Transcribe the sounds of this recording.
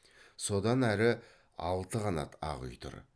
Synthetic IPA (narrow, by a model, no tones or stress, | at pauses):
so̞d̪ɑnæɾɪ | ɑlˠt̪əʁɑnɑ̰t̪ʰɑ̰ʁʏ̰jt̪ʰʊ̰ɾ